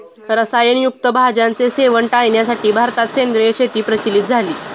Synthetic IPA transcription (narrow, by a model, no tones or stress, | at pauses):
ɾəsajənjuk̚t̪əbʱad͡ʑant͡seseʋəɳʈajɳjasaʈiːbʱaɾt̪at̪send̪ɾəjeɕet̪iːpɾət͡ɕilit̪̚d͡zʱaliː